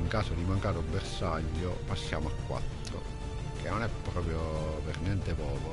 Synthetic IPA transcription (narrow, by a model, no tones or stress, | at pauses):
iŋkaːsod̪imaŋkaːɾobːersaʎːopasːja̰ːmoakːwa̰t̪ːɾo̰ | k̟ʰenːonɛpːɾɔːpɾjopernjɛnt̪epɔːko